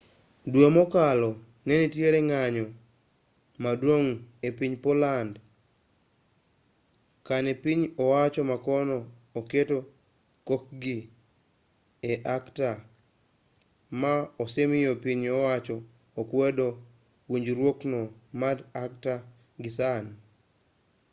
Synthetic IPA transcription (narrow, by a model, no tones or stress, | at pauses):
dwemɔkalɔ | nɛnitjeɾeŋaɲɔ | madwoŋepiɲpoland | kanepiɲɔwat͡ʃɔmakɔnɔː | keto | kok̚ɡi | eʔakta | maosemɪjopiɲɔwat͡ʃɔː | kwedo | wiɲd͡ʒɾwoknɔmadak̚ta | ɡɪsan